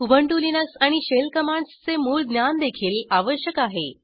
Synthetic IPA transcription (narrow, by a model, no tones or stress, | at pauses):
ubʱəɳʈulinəsaɽ̃iɕelkəmaɳɖst͡semuːɭd̪njand̪ekʰiːlaʋəɕjəkaɦe